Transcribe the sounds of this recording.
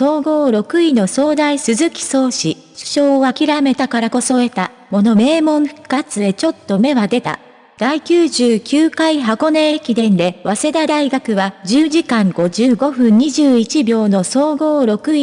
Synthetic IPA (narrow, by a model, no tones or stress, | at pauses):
so̞ːɡo̞ːɾo̞kɯ̟ino̞so̞ːd̪aisɨzɨkʲi̥so̞ːɕi | ɕɨ̥ɕoːβakʲiɾame̞t̪akaɾako̞so̞e̞t̪a | mo̞no̞me̞ːmõ̞ɰ̃ɸɯ̥kːat͡sɨe̞t͡ɕo̞t̪ːo̞me̞βad̪e̞t̪a̰ | d̪̥aikʲɨːʑɨːkʲɨːkaiɦako̞neekʲid̪ẽ̞nd̪e̞βase̞d̪ad̪aiɡakɯ̟βaʑɨːʑikãŋɡo̞ʑɨːɡo̞ɸɯ̟̃ɲ̟ɲiʑɨːit͡ɕibʲo̞ːno̞so̞ːɡo̞ːɾo̞kɯ̟i